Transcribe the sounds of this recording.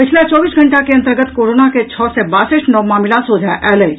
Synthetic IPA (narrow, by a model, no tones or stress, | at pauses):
pɪt͡ʃʰlat͡ʃɔːbiːsɡʱɐ̃ɳʈakeɐ̃nt̪əɾɡət̪koːɾoːnaket͡ʃʰɔːsɛbaːsɪʈnɔʋmaːmɪlãsoːd͡ʒʱaʔɛːle